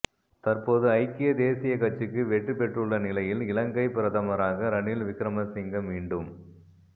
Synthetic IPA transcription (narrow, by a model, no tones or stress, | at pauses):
t̪ɐrpoːðɯɐɪkːɪjɐd̪eːsɪjɐkɐt͡ʃːɯkːɯʋɛʈrɯpɛʈrɯɭːɐnɪlɐjɪlɪlɐŋɡɐɪpɪɾɐðɐmɐɾaːɣɐɾɐnɪlʋɪkːɾɐmɐsɪŋɡɐmʋiːɳɖɯm